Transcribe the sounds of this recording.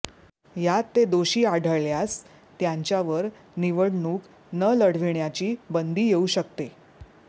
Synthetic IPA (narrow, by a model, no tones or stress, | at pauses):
jat̪ːed̪oɕiːaɽʱəɭɭjas | t̪jãɲt͡ɕjaʋəɾ | niʋəɽɳuːk | nələɽ̤ʋiɳjat͡ɕiːbənd̪iːjeuɕək̚t̪e